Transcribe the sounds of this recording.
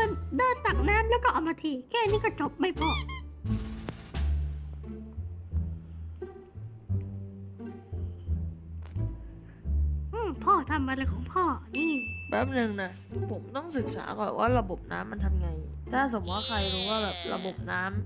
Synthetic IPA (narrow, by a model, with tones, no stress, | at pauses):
a˧˩ndaː˥˩t̪a˨˩k̚naː˦˥mlɛː˦˥wkɔː˥˩ʔɔ˨˩maː˧t̪ʰiː˧kʰɛː˥˩niː˥˩kɔː˥˩t͡ɕo˨˩p̚ma˥˩jpʰɔː˧˩ | ʔɯː˧˩pʰɔː˥˩t̪ʰa˧mːa˧la˧kʰɔː˩˦ŋpʰɔː˥˩ɯː˧˩bɛː˧˩p̚nɯ˧ŋna˦˥ | pʰo˩˦mt̪ɔ˥˩ŋsɯ˨˩k̚sa̰ː˩˦kɔː˨˩nwʔaː˥˩ɾa˧bo˨˩p̚na̰ː˦˥mːa˧nt̪ʰa˧mŋa˧jt̪ʰaː˥˩s̬o˩˦mwaː˧˥˩kʰa˧jɾuː˦˥waː˥˩bɛː˨˩p̚ɾa̰˧bo˨˩p̚naː˦˥m